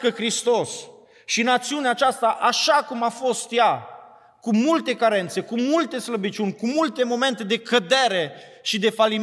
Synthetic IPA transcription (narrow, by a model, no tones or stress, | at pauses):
kəkɾist̪os | ʃinat̪siuneaːt͡ʃast̪aʔaʃakumafo̞st̪ja | kumult̪e̞kaɾe̞nt̪se̞kumult̪e̞sləbit͡ʃunʲkumult̪e̞mo̞me̞nt̪e̞d̪e̞kəd̪eɾe̞ | ʃid̪e̞fali